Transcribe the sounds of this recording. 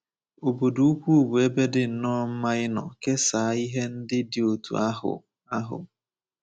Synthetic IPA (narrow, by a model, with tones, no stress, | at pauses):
o˨bo˨du˨˦u˦kʷu˦˨bu˨e˦be˦dɪ˦n̩˨nɔ˦m̩˦ma˦ɪ˦nɔ̰˨ke˦saː˨˦i˦ɦe˦n̩˦dɪ˦dɪ˨o˨tṵ˨a˦ɦʊ̰˨ | a˦ɦʊ̰˨